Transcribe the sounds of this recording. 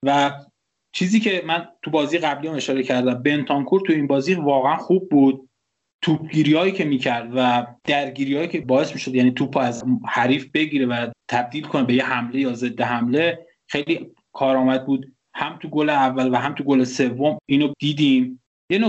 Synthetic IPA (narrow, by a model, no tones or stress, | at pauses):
væ | t͡ʃʰiːziːcʰe̞mænt̪ʰubɒːzijeɣæblijæme̞ʃɒːɾecʰæɾd̪æmbe̞nt̪ʰɒːnkʰuɾt̪ʰujeiːnbɒːziːvɒːɣeænxuːb̚ːuːd̪̥̚ | t̪ʰuːpʰɟiːɾiːɒːiːcʰemiːcʰæɾd̪væd̪̥æɾɟiːɾijɒːjiːcʰe̞bɒːe̞smiːʃo̞d̪jæniːt̪ʰuːpʰːæzhæɾiːfbe̞ɟiːɾevæt̪ʰæb̚d̪iːlkʰo̞nebe̞jehæmle̞jɒːze̞d̪ːeɦæmle̞ | xejliː | kʰɒːɾɒːmæd̪̚buːd̪ | hæmt̪ʰuɡoleævːælvæɦæmt̪ʰuɡolese̞vːomiːnod̪̥iːd̪iːm | jeno